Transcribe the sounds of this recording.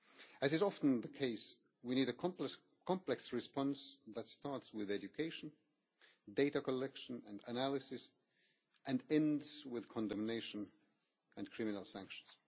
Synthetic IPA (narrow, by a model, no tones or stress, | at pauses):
ɨzɨzɑfn̩ðɨkʰeɪs | winiɾɨk | kʰɑ̃mplɛksɹɨspɑ̃nsðətstɑɹtswɪðɛd͡ʒɨkʰeɪʃn̩ | deɪɾɨkəlɛkʃɨ̃nɨ̃ndənælˠɨsɪs | ʔɨ̃nɛ̃ndz̥wɪð̥kʰɔ̃ndɨ̃mneɪʃɨ̃n | ɨ̃nkʰɹ̥ɪ̃mɨnl̩ˠsæ̃ŋkʃn̩z̥